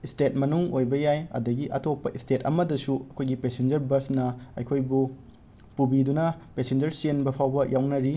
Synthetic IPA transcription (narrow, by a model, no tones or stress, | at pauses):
istet̚mɐnuŋojbɐjajɐ̰dɐɡiʔɐ̰tʰopːɐʔistetʰɐmɐdɐsuɐkʰojɡipesend͡ʒɐɾbɐsnɐɐ̰jkʰojbu | pubidunɐpesend͡ʒɐɾsienbɐpʰawbɐjawnɐɾi